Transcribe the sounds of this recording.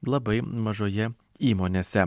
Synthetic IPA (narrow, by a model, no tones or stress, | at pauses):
lˠɐbɐɪmɐʒoːjɛ | iːmoːnʲeːsʲɛ